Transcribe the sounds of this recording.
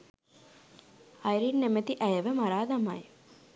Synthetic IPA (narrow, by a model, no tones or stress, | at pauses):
ajɾinːemɐt̪iʔɐjɐʋɐmaɾaːd̪ɐma̰j